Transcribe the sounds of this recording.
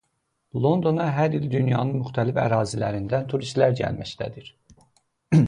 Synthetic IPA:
lˠo̞nd̪o̞nɑɦæɾild̪ynjɑːnɯnmyxt̪ʰælifæ̰ɾɑːzilæɾind̪ænt̪ʰuɾist̪læɾd͡ʒæ̰lmæ̰ʃt̪ʰæ̰d̪iɾ

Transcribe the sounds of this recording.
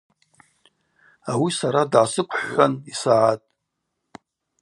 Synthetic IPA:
awisaɾadʕasɨkʷʰʼħːʷanisaʕatʼ

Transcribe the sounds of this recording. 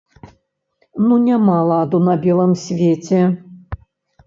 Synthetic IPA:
nunʲamalˠad̪unɐbʲɛlˠəmsʲvʲet͡sʲɛ

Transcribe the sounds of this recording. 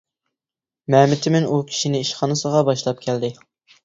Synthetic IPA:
mɛmɪt̪ʰɪmɪnukʲʰi̥ʃinɪiʃχɑnɨsəʁɑbɑʃlˠɑp̚kʲʰɛld̪ɪ

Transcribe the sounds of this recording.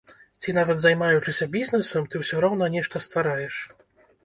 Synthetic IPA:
t͡sʲinavʲɛd̪zajmajut͡ʂɨsʲɐbʲiznɛsɛmt̪ɨwsʲɔɾɔwnɐnʲɛʂt̪ɐst̪faɾajɛʂ

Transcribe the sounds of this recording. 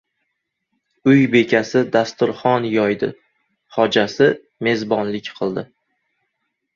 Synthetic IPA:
ʊjbe̞kʲʰasɪd̪ast̪ʊɾχɒnjɒjd̪ɪ̰ | χɒd͡ʒasɪ | me̞zbɒnlɪkʲqʰɨlˠd̪ɪ

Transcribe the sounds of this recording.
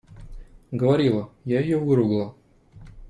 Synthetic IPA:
ɡəvɐɾʲilˠəjaɪjovɨɾʊɡlˠə

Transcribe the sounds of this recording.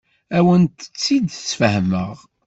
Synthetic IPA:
æwənt̪ə̥t͡sːid̪sfəhəmə̰ʁ

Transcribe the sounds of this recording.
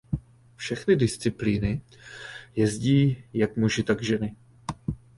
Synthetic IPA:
fʃɛxnɪdɪst͡sɪpliːnɪ | jɛzɟiːjak̚muʒɪt̪aɡʒɛnɪ

